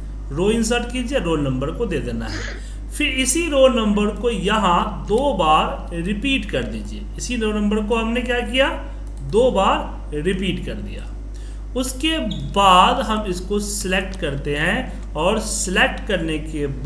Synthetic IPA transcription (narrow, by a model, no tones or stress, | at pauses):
ɾoːɪ̃ns̬əɾʈkiːd͡ʒieɾoːlnə̃mbəɾkod̪eːd̪eːna̰ɦɛ̰ | pʰɪɾɪsiɾoːlnɐ̃mbəɾkojɐɦãd̪oːbaːɾ | ɾɪpiːʈkɐɾd̪iːd͡ʒiḛːɪsiɾoːnə̃mbəɾkoɦɐmnekjaːkija | d̪oːbaːɾ | ɾɪpiːʈkɐɾd̪ḭja̰ː | ʊskebaːd̪ɦɐmɪskosɪlek̚ʈkɐɾt̪eɦɛ̃ | ɔːɾsɪlek̚ʈkɐɾnekeb